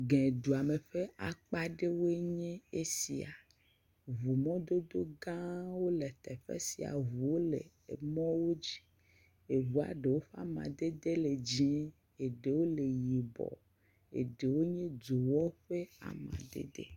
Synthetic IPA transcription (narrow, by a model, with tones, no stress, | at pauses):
ɡɛ̃˨d̪u˨a˨me˨ɸe˦a˨k͡pa˦ɖe˦wo˦e˦ɲẽ˦e˦si˨a̰˨ | vu˨mɔ̃˦d̪o˦d̪o˦ɡã˦wo˦le˨t̪ɛ˨ɸḛ˦si˨a̰˨vu˨wo˦le˨ | ḛ˨mɔ̃˦wo˦d͡ʑi̥˦ | e˨βu˨a̰˨ɖe˨wo˦ɸe˦a̰˦mã̰˨d̪e˦d̪e˦le˨d͡ʑi˦e˦ | e˨ɖe˨wo˦le˨ji˨bɔ̰˨ | ḛ˨ɖe˨wo˦ɲẽ˦d͡ʒo˨wɔ˦ɸe˦a̰˨mã̰˨d̪ḛ˦d̪ḛ˦